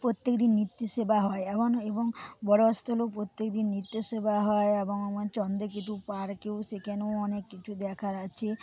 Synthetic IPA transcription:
pɾot̪jekd̪inːit̪ːjosebaɦɔeebɔnebɔŋbɔɽost̪ʰɔlopɾot̪ːekd̪inːit̪josebaɦɔeebɔŋɔmɔnt͡ʃɔnd̪ek̬it̪upaɾkewsekɛnowɔnekːit͡ʃʰud̪ɛkʰaɾat͡ʃʰe

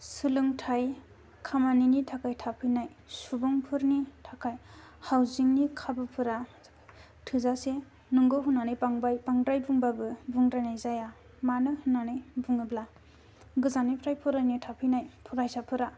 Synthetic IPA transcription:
sɯlɯŋtʰaj | kʰamaninitʰakʰajtʰapʰɯjnaj | subɔŋpʰɯɾnitʰakʰaj | hawziŋnikʰabɯpʰɯɾa | tʰɯzase | nuŋɡɯɦunanɯjpaŋbajpaŋdɾajbuŋbabɯbuŋdɾajnajzaja | manɯhɯnːanɯjbuŋɯbla | ɡɯzanipʰɾajpʰɯɾajnitʰapʰɯjnajpʰuɾajsapʰɯɾa

